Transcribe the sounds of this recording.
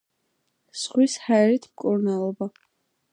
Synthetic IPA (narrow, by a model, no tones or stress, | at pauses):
sʁwishaɛɾit̪ʰmkʼuɾnalˠɔba